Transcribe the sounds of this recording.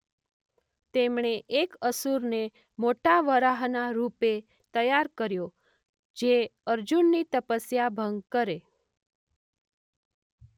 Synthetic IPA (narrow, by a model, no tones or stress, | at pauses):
t̪emɳ̃eʔekəsuɾne | moʈaʋəɾaɦnaɾupe | t̪əjaɾkəɾjo | d͡ʒeəɾd͡ʒunːit̪əpəsjabʱəŋɡ̚kəɾe